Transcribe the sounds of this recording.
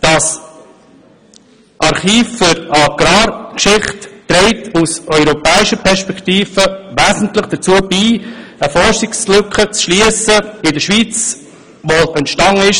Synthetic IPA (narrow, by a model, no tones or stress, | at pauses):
d̥ɑs | ʔɑɾχiːfʏɾɑɡ̥ɾɑːɾkʃɪχtːɾɛɪtʰusœʏɾɔpɛːɪʃəpʰɛɾʃpɛkʰtiːfəʋæːzn̩tləχd̥ət͡suəbiːəfɔɾʃɪkslʏkχət͡sʃliəsəɪdəʃʋiːt͡s | ʋoɛntʃtɑŋəɪʃ